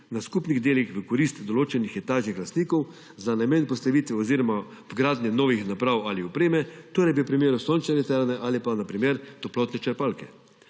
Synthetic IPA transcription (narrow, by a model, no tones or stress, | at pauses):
naskupniɣd̪eːlixʋəkɔɾist̪d̪ɔloːt͡ʃɛnixɛt̪aːʒnixlast̪niːkɔw | zanajmenpɔst̪aʋit̪ʋɛɔziːɾɔma | vɡɾaːd̪nʲjɛnɔːʋixnapɾawaliɔpɾeːmɛt̪oːɾɛjbiwpɾimeːɾusoːnt͡ʃnɛnɛt̪ɛɾnɛʔaːlipanapɾimeɾt̪ɔplɔt̪nɛt͡ʃɛɾpalkɛ̰